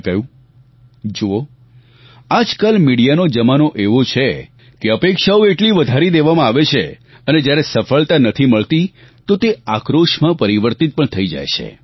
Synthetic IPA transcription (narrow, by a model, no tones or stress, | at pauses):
kəjũ | d͡ʒoo | ad͡ʒkalmiɽijanod͡ʒəmanoʔeʋot͡ʃʰe | keəpekʃaoeʈliʋəd̪ʱaɾid̪eʋamãaʋet͡ʃʰe | əned͡ʒjaɾesəfəɭt̪anət̪ʰiməɭt̪i | t̪ot̪eakɾoʃmãpəɾiʋəɾt̪it̪̚pəɳt̪ʰəid͡ʒa̰jt͡ʃʰḛ